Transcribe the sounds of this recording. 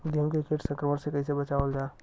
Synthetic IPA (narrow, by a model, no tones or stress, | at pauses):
d̪ʱjəkekʰeʈsə̃ŋkɾəmənsekɐɦĩsebɐt͡ʃaʋəld͡ʒae